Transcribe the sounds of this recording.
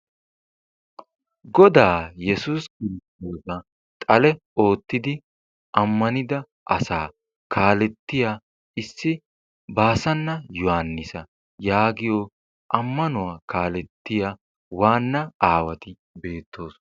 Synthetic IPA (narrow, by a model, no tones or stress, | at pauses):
ɡɔd̪aːjɛsuːskɪɾɪst̪o̞ːsɐ | t̪ʼɐlɛ | o̞ːt̪ːɪd̪ɪ | ʔɐmːɐnɪd̪ɐ | ʔɐsaː | kaːlɛt̪ːɪja | ɪsːɪ | baːsɐnːɐjʊhanːɪsɐ | jaːɡɪjo | ʔɐmːɐnʊwaːkaːlɛt̪ːɪja | waːnːɐaːwɐt̪ɪ | be̞ːt̪ːo̞ːs